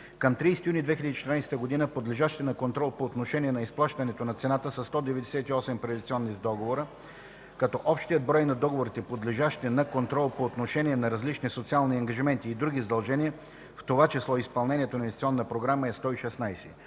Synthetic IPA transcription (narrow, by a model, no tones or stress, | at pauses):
kəmt̪ɾijsɛt̪iunid̪vɛxʲilʲəd̪it͡ʃɛt̪ɾnajst̪əɡod̪inəpod̪lɛʒaʃt̪ɛnɐkont̪ɾɔlˠpoːt̪noʃɛniɛnɐisplˠaʃt̪ɐnɛt̪onɐt̪sɛnat̪əsɐsːt̪ɔd̪ɛvɛd̪ɛsɛt̪iɔsɛmpɾɛd̪ʲit̪siɔnːizd̪ɔɡovoɾə | kɐt̪ɔʔɔpʃt̪ijəd̪̚bɾɔjnɐd̪ɔɡovoɾit̪ɛpod̪lɛʒaʃt̪ɛnɐkont̪ɾɔlˠpoːt̪noʃɛniɛnɐɾɐzlit͡ʃnisot̪sialˠniɐŋɡɐʒimɛnt̪iːd̪ɾuɡʲizəd̪ɐlˠʒɛniə | ft̪ovat͡ʃɛslˠɔispɐlˠnɛniɛt̪onɐinʲst̪iɔnːəpɾoɡɾaməɛst̪ɔiʃɛsnajsɛ